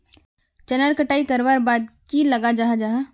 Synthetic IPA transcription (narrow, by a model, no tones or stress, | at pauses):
t͡ʃɐnəɾkəʈaːikɐɾʋaːɾbaːd̪̚kilɐɡad͡ʒaːɦad͡ʒaːɦa